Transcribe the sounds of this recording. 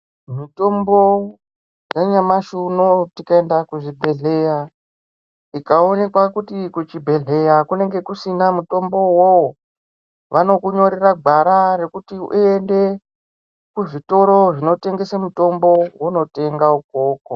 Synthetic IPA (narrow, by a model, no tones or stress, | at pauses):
mito̞mbo̞ | jjeɲamaʃunotikaendakuʐibʱe̞ɮe̞ja | ikao̞ne̞kwakutikut͡ʃibʱe̞ɮe̞jakune̞ŋɡe̞kusinamuto̞mbo̞wowo | ʋʔano̞kuɲo̞ɾeraɡʱaɾare̞kutiue̞nde̞ | kuʐito̞ɾo̞ʐino̞te̞ŋɡe̞samuto̞mbo̞wuno̞te̞ŋɡauk̚oːko